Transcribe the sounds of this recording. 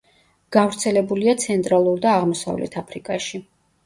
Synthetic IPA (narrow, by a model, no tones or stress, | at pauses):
ɡ̥avɾt̪sʰɛlɛbuliat̪sʰɛnt̪ʼɾalˠuɾd̪aːʁmɔsa̰vlɛ̰t̪ʰapʰɾikʼaʃi